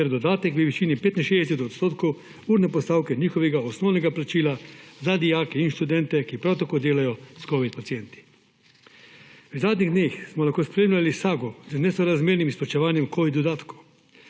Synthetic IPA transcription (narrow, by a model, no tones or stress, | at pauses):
ɛɾd̪ɔd̪aːt̪ɛkʋəʋiʃiːnipeːt̪inʃeːd̪ɛsɛt̪ɔt̪st̪oːt̪kɔw | uːɾnɛpɔst̪aːwkɛɲiːxɔʋɛɡaɔsnɔːwnɛɡaplat͡ʃiːlazad̪ijaːkɛinʃt̪ud̪ɛnt̪ɛkipɾawt̪akoːd̪eːlajɔskɔʋit̪̚pat̪siɛnt̪i̥ | wzaːd̪niɣd̪neːxsmɔlaxkoːspɾeːmlʲalisaːɡɔznɛsɔɾazmeːɾnimispɔt͡ʃɛʋaːnjɛmkoːʋid̪ɔd̪aːt̪ku